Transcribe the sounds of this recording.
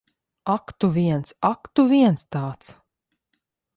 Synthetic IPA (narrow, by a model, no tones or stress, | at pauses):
akt̪uvʲiɛnsakt̪uviɛnst̪aːt̪s